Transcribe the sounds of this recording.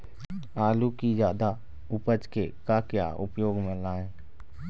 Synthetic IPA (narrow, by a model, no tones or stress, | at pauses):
aːlukid͡ʒjaːd̪a | ʊpət͡ʃkekakja̰ːʔʊ̰pjoːɡmɪ̃laːẽː